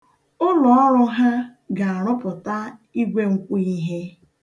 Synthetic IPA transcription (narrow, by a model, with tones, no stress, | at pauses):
ʊ˦lɔ˨ɔ˦ɾʊ˦ɦa˦ɡa˨a˨ɾ̃ʊ˦pʊ˨ta˦i˦ɡʷe˦ŋ̩˨kʷu˦i˦ɦe˦